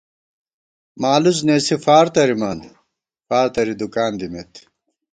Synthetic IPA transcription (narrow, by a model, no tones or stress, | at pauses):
maːluz̬neːsifaːɾt̪ɐɾimɐn | faːɾt̪ɐɾid̪ukaːnd̪imeːt̪